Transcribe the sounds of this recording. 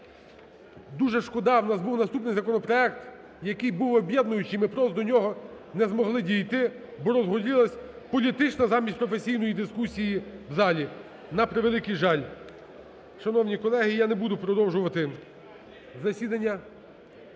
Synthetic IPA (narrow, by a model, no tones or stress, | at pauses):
d̪uʒɛʃkɔd̪ɑwnɑzbuwnɐst̪upnɪjzɐkɔnɔpɾɔɛkt̪ | jɐkɪjbuwɔbʲjɛd̪nʊjʊt͡ʃɪjmɪpɾɔzd̪ɔnʲɔɦɔ | nɛzmɔɦlˠɪdʲijt̪ɪ | bɔɾɔzɦɔdʲilˠɐsʲ | pɔlʲit̪ɪt͡ʃnɐzɑmʲisʲtʲpɾɔfesʲijn̪ɔjid̪ɪskusʲijiwzɑlʲi | nɐpɾeʋelˠɪkɪjʒɑlʲ | ʃɐnɔwnʲikɔlˠɛɦɪjanebud̪ʊpɾɔd̪ɔwʒʊʋɐt̪ɪ | zɐsʲid̪ɐnʲːɐ